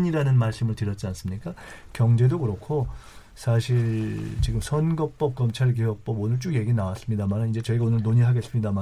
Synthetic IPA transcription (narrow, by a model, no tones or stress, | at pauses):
ɲiɾanɯnmaɭs͈ɯmɯɭtɯɾjʌt̚t͡ɕ͈ians͈ɯmɲik͈akjʌŋd͡ʑe̞dokɯɾʌkʰo | sʰaɕʰiɭt͡ɕiɡɯmsʰʌnɡʌk̚p͈ʌp̚k͈ʌmt͡ɕʰaɭk̬iɦʌk̚p͈ʌbonɯɭt͡ɕ͈uɡje̞ɡinawas͈ɯmɲidamanɯnind͡ʑe̞t͡ɕʌiɡaonɯɭnoɲiɦaɡes͈ɯmɲidama